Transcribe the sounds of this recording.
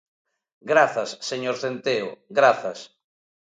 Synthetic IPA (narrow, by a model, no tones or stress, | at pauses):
ɡɾaθɐsːeɲoɾθent̪eʊɡɾaθɐs